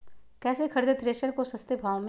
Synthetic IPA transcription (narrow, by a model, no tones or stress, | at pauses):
kɛːsekʰɐɾd̪et̪ɾeːʃəɾkosɐst̪ebʱaːʋm